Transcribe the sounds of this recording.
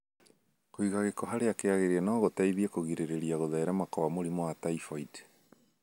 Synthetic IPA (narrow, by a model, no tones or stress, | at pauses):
koiɣaɣekɔɦaɾeakeaɣeɾeanɔːɣotaiðiekoɣiɾeɾeɾiaɣoðɛɛɾamakɔβamoɾimoataifaid